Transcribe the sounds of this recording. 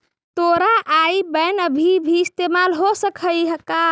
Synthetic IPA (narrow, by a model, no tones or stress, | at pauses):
t̪oɾaʔaibənəbʱibʱiːst̪emalɦosəkʰəjɦəka